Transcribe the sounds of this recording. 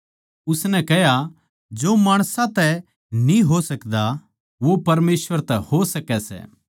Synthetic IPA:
ʊsnɛkɛɦja | d͡ʒoːmaːɽ̃sãt̪ɛ | nĩɦosɐkd̪a | ʋopɐɾmeːsʋəɾt̪ɛhosɐkɛsɛ̰ː

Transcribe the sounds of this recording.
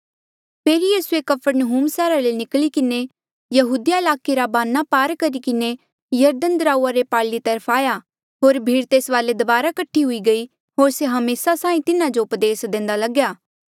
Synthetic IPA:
pʰeːɾijiːsuekɐpʰəɾnəɦuːmsɛːɾalenɪklikɪne | jɐɦuːd̪ijaɪlaːkeɾabaːnapaːɾkɐɾikɪne | jɐɾd̪ənd̪ɾaːuːaɾepaːlit̪ɐɾpʰaːja | ɦoːɾbʱiːɾt̪eːsʋaːled̪ɐbaːɾakɐʈʰːiɦʊiɡɐi | ɦoːɾseɦɐmeːsasaːĩt̪ɪnad͡ʒoʊpd̪eːsd̪ẽːn̆d̪alɐɡjaː

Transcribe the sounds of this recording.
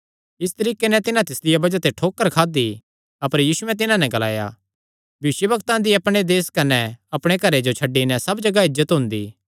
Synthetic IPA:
ɪst̪ɐɾiːkːenɛ̃t̪ɪnãt̪ɪslɪjabɐd͡ʒat̪eʈʰoːkːəɾkʰaːd̪i | ɐpəɾjiːsʊɛ̃t̪ɪnãnɛ̃ɡɐla̰ːja̰ | bjɐʋɪʃəbɐkt̪ãd̪iɐpɽ̃ed̪eːskɐnɛɐpɽ̃ekɐɾed͡ʒot͡ʃʰɐɖːinɛsɐbd͡ʒɐɡaɦɪzət̪ɦʊ̃ːnd̪iː

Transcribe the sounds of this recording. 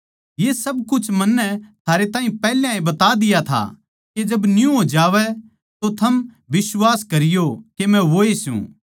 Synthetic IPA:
jesɐbkʊt͡ʃʰmɐnːɛt̪ʰaːɾet̪aːɦĩpɛɦljãĩbɐt̪ad̪ɪjat̪ʰa̰ | ked͡ʒɐbnjũɦod͡ʒaːʋɛ | t̪ot̪ʰɐm | ʋɪswaːskɐɾɪjokemɛ̃ʋoːesjṵ̃

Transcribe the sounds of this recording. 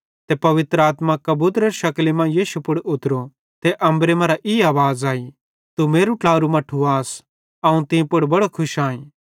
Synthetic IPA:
t̪epɐʋɪt̪ɾəaːt̪makɐbuːt̪ɾɐɾʃɐklimãjiːʃupʊɽʊt̪ɾo | t̪eʔɐ̃mbɾemɐ̃ːɾaʔiːaːʋaːzaːi | t̪umeːɾuʈlaːɾumɐʈʰːuaːs | ɐũt̪ɪ̃pʊɽbɐɽokʰʊʃaːĩ

